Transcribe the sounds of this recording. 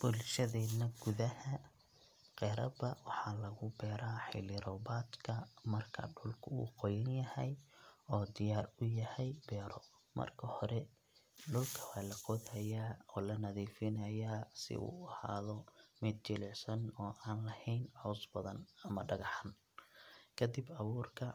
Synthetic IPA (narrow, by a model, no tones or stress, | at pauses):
b̥ʊlʃɐðɛːd̪nɐɡ̥ʊðɐhɐ | qɛːɾɐbɐwɑħɑːlɐɣʊbɛːɾaːħɪ̰lɪɾɔbaːd̪kʰɐmɐrkʰɐ̰ɖʊlkʰʊṵːqɔjɐnjɐhɛjɔːd̪ɪjaːrʊjɐhɛjbɛːɾɔ | mɐ̰rkʰɐhɔɾɛ | ɖʊlkʰɐwaːlɐqɔðhɐjaːɔːlɐnɐðiːfɪnɐjaːsɪ̰ʔṵːɐha̰ːðɔmɛd̪̚t͡ʃɪlɛʕsɐnɔːʔaːnlɐhɛjnʕɔːsbɐðɐnɐmɐɖɐɣɑħan | kʰɐd̪ibɑβuːrkʰɐ